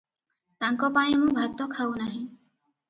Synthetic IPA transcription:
t̪aŋkɔpaĩmũbʱat̪ːɔkʰawnaɦĩ

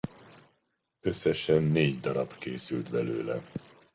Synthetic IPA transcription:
ø̞sːɛʃɛnːeːɟd̪ɒɾɒbkeːsylt̪bɛlø̰ːlɛ̰

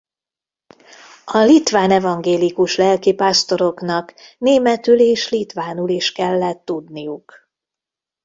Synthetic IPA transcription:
ɒlit̪ʋaːnɛvɒŋɡeːlikuʃlɛlkipaːst̪o̞ɾo̞knɒkneːmɛt̪yleːʃlit̪ʋaːnuliʃkɛlːɛt̪ːud̪nijuk

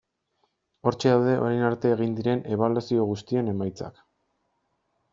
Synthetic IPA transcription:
o̞ɾt͡ʃe̞ðawðe̞ʔo̞̰ɾajnaɾt̪e̞ːɣind̪iɾe̞ne̞βalasio̞ɣ̞ust̪ie̞ne̞majt͡sa̰k

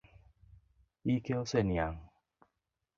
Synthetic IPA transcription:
ikeosenjaŋ

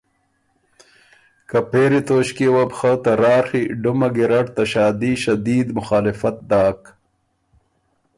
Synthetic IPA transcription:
kɐpeːɾit̪oːɕkewɐbxət̪ɐɾaːɾxiɖumɐɡiɾɐʈt̪ɐʃaːd̪iʃɐd̪iːd̪mʊxaːlɪfɐt̪̚d̪aːk

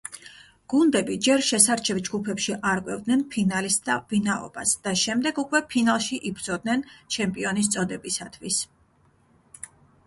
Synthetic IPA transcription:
ɡ̥und̪ɛbid͡ʒɛɾʃɛsaɾt͡ʃʰɛvd͡ʒɡupʰɛpʃiʔaɾkʼwɛvd̪nɛnpʰinalisd̪avinaɔ̰basd̪̥aʃɛmd̪ɛɡukʼwɛpʰinalˠʃiʔibɾd̪zɔd̪̚nɛnt͡ʃʰɛmpʼiɔnis̬t̪sʼɔd̪ɛbisat̪ʰwis

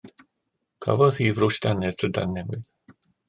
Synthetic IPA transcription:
kʰa̰vɔð̥hiːvrʊʃtanɛð̥ʰəda̰nːɛmwɪð̥

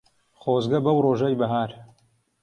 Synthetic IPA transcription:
χoːzɡɐbɐwroːʒɐjbɐɦaːɾ

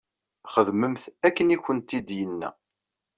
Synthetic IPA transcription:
χəðməmθækːəniçənt̪id̪jənːæ̰

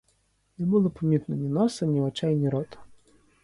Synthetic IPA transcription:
nɛbulˠɪpɔmʲit̪nʊnʲinɔsɐnʲiɔt͡ʃajnʲiɾɔt̪ʊ̥

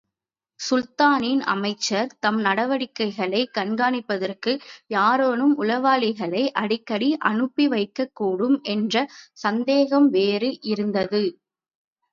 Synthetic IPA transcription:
sʊlt̪aːninɐ̰mɐɪt͡ʃːɐɾt̪ɐmnɐɽɐʋɐɽɪkːɐɪɣɐɭɐɪkɐɳɡaːɳɪpːɐðɐrkɯjaːɾoːnɯmʊlɐʋaːlɪɣɐɭɐɪʔɐɽɪkːɐɽiʔɐɳɯpːiʋɐɪkːɐkːuːɽɯmɛndrɐsɐnd̪eːɣɐmʋeːɾɯʔɪɾɯnd̪ɐðɯ

